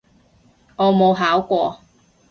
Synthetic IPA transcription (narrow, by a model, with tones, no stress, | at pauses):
ŋɔː˨˧mo˨˧wɦaː˨˥wkʷɔː˧